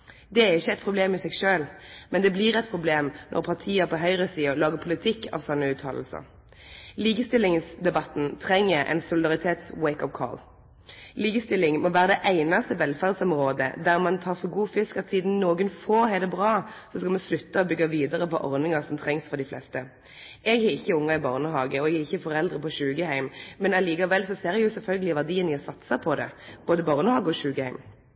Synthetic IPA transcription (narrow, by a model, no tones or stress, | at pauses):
d̪ɛæʁɪçːəɛt̪pʰʁʊbleːmɪsɛɡʃøːlmɛnd̪ɛbliʁɛt̪̚pʰʁʊbleːmnʔɔ̰ʁpʰɑʁt̪ʰiːəpɔɦœʏʁəsiːɔlɑːɡəpʰʊlɪt̪ʰɪkːʰɑ̰ʋsɔnːəʉːt̪ʰɑ̰ːll̩sə̰ʁ | liːkəst̪ɪlɪŋsd̪ɛbɑt̪ːn̩t̪ʰʁɛŋːəʔɛ̰ɪnsʊlɪd̪ɑʁɪt̪ʰeːt̪swɛɪkɔʋkʰɔ̰l | liːkəst̪ɪlːɪŋmɔʋæːʁəd̪ɛʔæɪnɑst̪əʋɛlfæʁd̪sɔmʁoːd̪ə̰d̪æʁmɑnt̪ʰɑːʁfɔɡuːfɪskɑt̪siːd̪n̩noːɡənfoːʁhɛɪd̪ɛbʁɑːsɔskɑlmɑnslʉt̪ːəɔbʏɡːɑʋiːd̪əʁəpɔ̰ʔɔʁnɪŋɑʁsɔmt̪ʰʁɛŋsfɔʁd̪ɪflɛ̰st̪ə | ɛɡɛɪçːəʊŋːɑɪbɑːʁnəhɑːɡəɔɛɡæɪçːəfɔɾɛld̪ʁəpɔɕʉːɡəhæɪmmɛnɑliːkɑʋɛlːsɔseːɾjʊsɛlfœlɡəlɪʋæʁd̪iːənɪɔsɑt̪sɑpʰɔd̪ɛ̰b̥oːd̪əbɑːʁnəhɑːɡəɔɕʉːɡəhæɪm